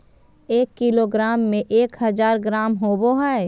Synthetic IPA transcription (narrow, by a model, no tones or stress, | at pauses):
eːkːɪloɡɾaːmːẽʔeːkhəzaːɾɡɾaːmɦoːboɦɛe